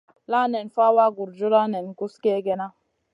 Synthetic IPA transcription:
la˦nɛ˨nfa˦wa˦ɡu˨ɾd͡ʒu˦ɾa˦ne˨nɡu˦ske˦ɡe˦na˦

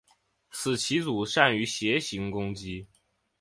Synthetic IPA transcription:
t͡sʰɹ̩˨˩t͡ɕʰi˧˥t͡su˨˩˦ʂa˥˩ny˧˥ɕjɛ˧˥ɕi˧˥ŋkʊ˥ŋt͡ɕi˥

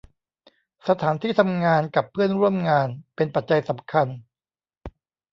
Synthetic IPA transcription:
sa˧t̪ʰaː˩˦nt̪ʰiː˥˩t̪ʰa˧mŋaː˧nka˨˩pʰːɯ˥˩ənɾu˥˩əmŋaː˧npe˧npa˨˩t̪̚t͡ɕa˧jsa˩˦mkʰa˧n

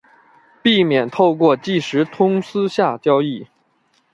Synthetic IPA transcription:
pi˥˩mjɛ˨˩nt̪ʰo˥˧ʊkwɔ˥˧t͡ɕi˥˩ʂɻ̩˧˥t̪ʰʊ˥ŋsɹ̩˥ɕja˥˩t͡ɕjɑ˥ʊi˥˩

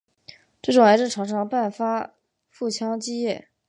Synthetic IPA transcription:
ʈ͡ʂɤ˥˩ʈ͡ʂʊ˨˩ŋa˧˥ɪʈ͡ʂɻ̩˥˩ʈ͡ʂʰɑ˧˥ŋʂɑ˥ŋpa˥˩nfa˥ | fu˥˩t͡ɕʰjɑ˥ŋt͡ɕi˥˧jɛ˥˩

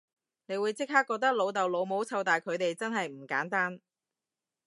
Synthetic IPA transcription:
ne˨˧jwuː˨˧jt͡sɪ˥k̚haː˥kːɔː˧k̚t̪̬ɐ˥k̚lo˨˧wt̪ɐ˨wlo˨˧wmo˨˥wt͡sʰɐ˧wt̪aː˨jkʰɵ˨˧ɥt̪e˨jt͡sɐ˥nɦɐ˨jm̩˨˩kaː˨˥nt̪aː˥n

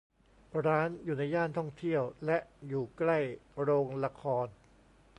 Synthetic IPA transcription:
ɾaː˦˥njuː˨˩na˧jːaː˥˩nt̪ʰɔ˥˩ŋt̪ʰi˥˩əwlɛ˦˥ʔjuː˨˩kla˥˩jɾoː˧ŋla˧kʰɔː˧n

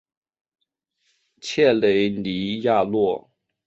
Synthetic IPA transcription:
t͡ɕʰjɛ˥˩le˧˥ɪni˧˥ja˥˧lwɔ˥˩

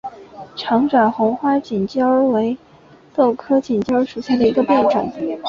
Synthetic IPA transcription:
ʈ͡ʂʰɑ˧˥ŋʈ͡ʂwa˨˩nxʊ˧˥ŋxwa˥t͡ɕi˨˩nt͡ɕjɑ˥ʊwe˧˥ɪ | t̪o˥˩ʊkʰɤ˥t͡ɕi˨˩nt͡ɕjɑ˥ʊʂu˨˩ɕja˥˩d̪ə˩i˧˥ɡə˧pjɑ˥˩nʈ͡ʂwa̰˨˩n

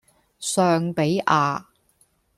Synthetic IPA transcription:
sœː˧ŋpe˨˥jʔaː˨˧

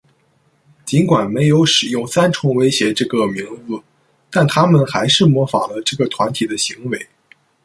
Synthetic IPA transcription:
t͡ɕi˧˥nkwa˨˩nme˧˥ɪjo˧˥ʊʂɻ̩˨˩jʊ˥˩ŋsa˥nʈ͡ʂʰʊ˧˥ŋwe˥ɪɕjɛ˧˥ʈ͡ʂɤ˥˩ɡə˩mi˧˥ŋd͡zɹ̩˥˧ | t̪a˥˩nt̪ʰa˥mə˨nxa˧˥ɪʂɻ̩˥˩mwɔ˧˥fa̰˨˩lə˦ʈ͡ʂɤ˥˩ɡə˩t̪ʰwa˧˥nt̪ʰi˨˩d̪ə˦ɕi˧˥ŋwe˧˥ɪ

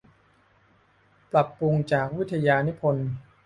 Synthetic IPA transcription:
pla˨˩pːu˧ŋt͡ɕaː˨˩k̚wi˦˥t̪ʰːa˧jaː˧ni˦˥pʰo˧n

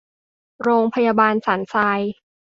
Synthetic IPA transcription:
ɾoː˧ŋpʰa˧jaː˧baː˧nsa˩˦nsaː˧j

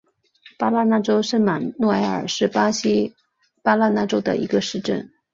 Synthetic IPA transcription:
pa˥la˥na˥˩ʈ͡ʂo˥ʊʂə˥nma˨˩nnwɔ˥˩a˧˥ɪə̰˞˨˩ʂɻ̩˥˩pa˥ɕi˥ | pa˥la˥˧na˥˩ʈ͡ʂo˥ʊd̪ə̰˨ʔḭ˧˥ɡə˧ʂɻ̩˥˧ʈ͡ʂə̰˥˩n

